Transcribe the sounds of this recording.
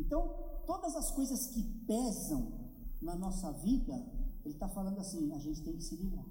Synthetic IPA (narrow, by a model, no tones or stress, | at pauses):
ẽnt̪ɐ̃w̃t̪od̪ɐzɐskojzɐskɪpɛzɐ̃w̃ | nɐnɔsɐvid̪ɐelɪt̪afalɐ̃nd̪ʊasĩɐʒẽnt͡ʃɪt̪ẽj̃kɪ̥sɪlibɾa